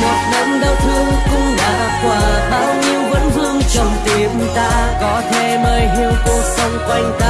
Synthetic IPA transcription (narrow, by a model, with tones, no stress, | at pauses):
mo˨˩t̚ɗə˧˥mɗə˧wt̪ʰɨ˧əŋkʊ̰˧ŋ͡mlaː˧˩ʔ | kwaː˨˩ɓaː˧wɲi˧əwvə̰˧˥nvɨ˧əŋt͡ɕə˨˩wŋ͡mt̪i˨˩˧t̪aː˧kɔ˨˦t̪ʰe˧˩məː˧jɦi˧˨əwk̪o˧sə˧wŋ͡mkwa˧jŋ̟t̪a˧